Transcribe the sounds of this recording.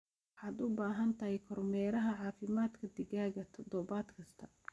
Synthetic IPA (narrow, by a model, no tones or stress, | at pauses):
wħɑːd̪ʊbaːɦɐnt̪ʰɐhɛjkʰɔrmɛːɾɐɦɐʕɑːfɪmaːd̪kʰɐd̪ɪɣaːɣɐt̪ʰɔd̪ɔβaːd̪kʰɐst̪ʰɐ